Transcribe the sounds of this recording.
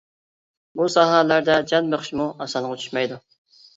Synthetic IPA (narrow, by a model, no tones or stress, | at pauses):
busɑɦɑlæɾd̪ɛd͡ʒɑnmeχʃimuʔɑsɑnʁɑt͡ʃ̪ʰy̥ʃmɛjd̪u